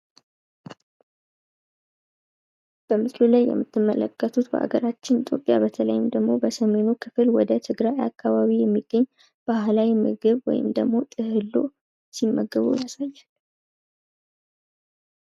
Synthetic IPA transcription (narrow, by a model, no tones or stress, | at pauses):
b̥əmɨslulajːɛ̰mːɨt̪ʰːɨmːələkːət̪ʰut̪bə̰ʔa̰ɡəɾat͡ʃːɪnit̪ʼjo̞pʼja̰bət̪ʰələjɪmd̪əɡmo̞bəsəme̞nukʰɨfɨlwɔd̪ət̪ʰɨɡɾajakʰːaβaβijɛmːiɡːəɲː | b̥ahlawimɨ̰ɡɨβwɔ̰jɪ̰md̪əɡmo̞t̪ʼɨhɨlːo̞̰ | simːəɡːəβṵjasajːal